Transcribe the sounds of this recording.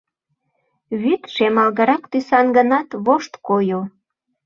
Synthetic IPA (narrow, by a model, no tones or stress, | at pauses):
βyt̪ʃemɑlɣəɾɑkt̪ysɑnɡənɑt̪βoʃt̪kojo